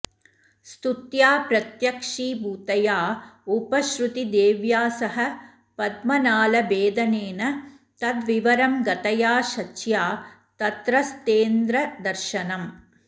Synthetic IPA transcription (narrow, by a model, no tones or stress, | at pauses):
st̪ut̪jaːpɾɐt̪jɐkʂiːbuːt̪ɐjaːupɐʃɾut̪id̪eːʋjaːsɐɦɐ | pɐd̪mɐnaːlɐbeːd̪ɐneːnɐ | t̪ɐd̪ʋiʋɐɾɐmɡɐt̪ɐjaːʃɐt͡ʃjaː | t̪ɐt̪ɾɐst̪eːnd̪ɾɐd̪ɐɾʃɐnɐm